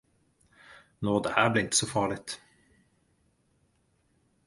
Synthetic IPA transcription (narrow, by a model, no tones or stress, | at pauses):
noːd̪ɛ̰ːʔæːɾblɛːɪnt̪ə̥sɔfɑːɭɪt̪